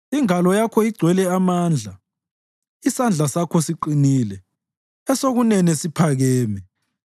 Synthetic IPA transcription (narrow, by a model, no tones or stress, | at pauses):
iŋalɔjakʰɔiɡ͡ǀʱwɛlɛamaːnd͡ɮʱa | isand͡ɮʱasakʰɔsiǃiniːlɛ | ɛsoɣunɛnɛsipʰaɣɛːmɛ